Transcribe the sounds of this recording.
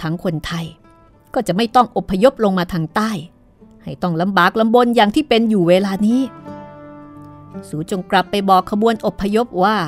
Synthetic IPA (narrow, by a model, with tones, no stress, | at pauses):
t̪ʰa˦˥ŋkʰo˧nt̪ʰa˧j | kɔː˥˩t͡ɕa˨˩ʔma˥˩jt̪ɔ˥˩ŋʔo˨˩pʰːa˧jo˦˥p̚lo˧ŋmaː˧t̪ʰaː˧ŋt̪aː˥˩j | ha˥˩jt̪ɔ˥˩ŋla˨˦mbaː˨˩k̚la˧mbo˧njaː˨˩ŋt̪ʰiː˥˩pe˧njuː˨˩weː˧laː˧niː˦˥ | suː˩˦t͡ɕo˧ŋkla˨˩pːa˧jbɔː˨˩kʰːa˧bu˧ənʔo˨˩pʰːa˧jo˦˥p̚waː˥˩